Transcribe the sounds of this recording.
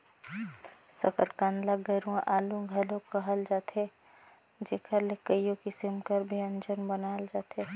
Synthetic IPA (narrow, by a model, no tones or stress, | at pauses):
səkəɾkãːnd̪laɡəɾũãʔaːlũɡʱɐlõkəɦəld͡ʒaːt̪e | d͡ʒeːkəɾlekəjõkisɪmkəɾbʱiə̃nd͡ʒənbənaːld͡ʒaːt̪e